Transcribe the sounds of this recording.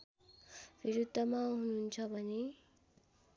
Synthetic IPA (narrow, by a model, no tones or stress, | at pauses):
bʱiɾud̪ʱːʌmaɦununt͡sʰʌbʱʌne